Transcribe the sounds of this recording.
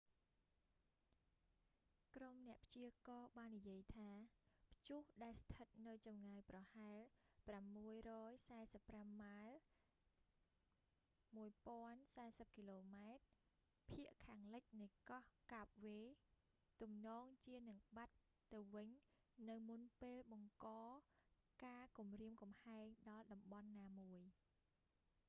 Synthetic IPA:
kromnɛ̆əʔpʰt͡ɕiəkɑːɓaːnːijiəjt̪ʰaːpʰt͡ɕuhɗaɛlst̪ʰət̪̚nɨwt͡ɕɑmŋaːjprɑhaɛlpramːuəjrɔːjsaɛsəpːramːaɛl | muəjpŏənsaɛsəp̚kiloːmaɛt̪̚ | pʰiəʔkʰaːŋlɨc̚nɨjkɑhkaːp̚ʋeː | t̪umnɔːŋt͡ɕiənɨŋɓat̪ː | ɨwʋɨɲ | nɨwmunpeːlɓɑŋkɑːkaːkumriəmkɑmhaɛŋɗɑlɗɑmɓɑnːaːmuəj

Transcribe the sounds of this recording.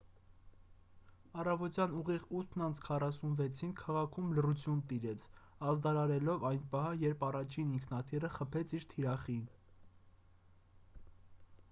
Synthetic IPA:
ɑrɑvɔt̪jɑnuʁiʁut̪ʰnɑnt͡sʰkʰɑrɑsunvɛt͡sʰinkʰɑʁɑkʰumlərut͡sʰjunt̪iɾɛt͡sʰ | ɑzd̪ɑɾɑɾɛlɔvɑjnpɑɦɑjɛɾpɑrɑt͡ʃʰiniŋkʰnɑt̪ʰirəχəpʰɛt͡sʰiɾt̪ʰiɾɑχin

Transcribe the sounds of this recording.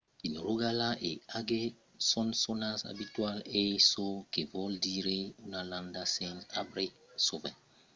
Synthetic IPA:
inɾoɡalaʔeaɡe | sɔnsonasa̰bitwalesokevɔldiɾeunalãndasɛnabɾe | sovɛ̰

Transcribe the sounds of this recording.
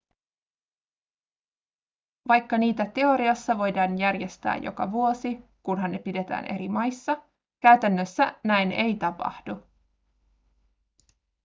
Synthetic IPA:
ʋɑjkːɑniːt̪æt̪e̞o̞ɾiɑsːɑʋo̞jdɑːnjærje̞st̪æ̰ːjo̞̰kɑ̰ʋuo̞sikunɦɑnːe̞pide̞t̪æ̰ːnʔe̞̰ɾimɑjsːɑ | kæyɥt̪ænːøsːænæjne̞jt̪ɑpɑ̰hd̥u

